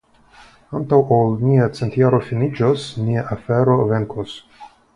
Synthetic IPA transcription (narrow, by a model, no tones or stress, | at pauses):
ant̪awʔolniat͡sent̪jaɾo̞finid͡ʒosniaʔafeɾo̞veŋkos